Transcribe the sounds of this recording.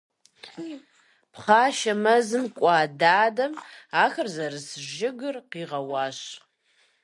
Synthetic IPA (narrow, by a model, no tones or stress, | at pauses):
pχaːʃɐmɐzɨmkʷʼɑːdaːdɐmaːxɐrzɐrɨsɨʒʒɪɡɨrqiːʁɐwɑːɕ